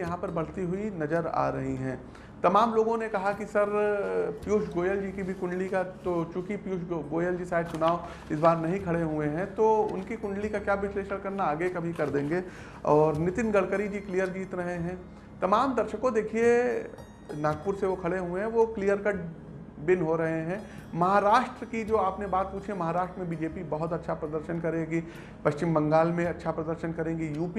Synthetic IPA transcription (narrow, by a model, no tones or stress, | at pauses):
jɐɦãpɐɾbɐɽ̤t̪iɦʊinɐd͡ʒəɾa̰ːɾɐɦiɦɛ̃ː | t̪ɐmaːmloːɡõnekɐɦakisɐɾpjuːʃɡoːjəld͡ʒiːkibʱikʊ̃ɳɖlikat̪ot͡ʃʊkipjuːʃɡoːjəld͡ʒisaːɪd̪sʊnaːo | ɪsbaːɾnɐɦĩkʰɐɽeɦueɦɛ̃t̪oʊ̰nkikʊ̃ɳɖlikakjaːʋɪsleːʃəɽkɐɾnaaːɡekɐbʱikɐɾd̪ẽːŋɡeː | ɔːɾnɪt̪ɪnɡɐɽkəɾid͡ʒiːklijəɾd͡ʒiːt̪ɾɐɦeɦɛ̃ː | t̪ɐmaːmd̪ɐɾʃəkõd̪eːkʰie | naːɡ̚pʊɾseʋokʰɐɽeɦuẽɦɛ̃ʋoklijəɾkɐɖ | bɪnɦoɾɐɦeɦɛ̃ːmɐɦaɾaːʃʈɾəkid͡ʒoːaːpnebaːt̪̚puːt͡ʃʰemɐɦaːɾaːʃʈɾəmẽbiːd͡ʒeːpibɐɦʊt̪ɐtːʃʰapɾɐd̪əɾʃənkɐɾẽːɡi | pɐʃt͡ʃɪmbɐ̃ŋɡaːlmẽɐtːʃʰapɾɐd̪əɾʃənkɐɾẽːŋɡijuːpi